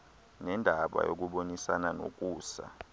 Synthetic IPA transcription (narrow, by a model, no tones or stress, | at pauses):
nɛndʱaɓa̰jok̬uɓonisanano̰k̬ʼuːsa̰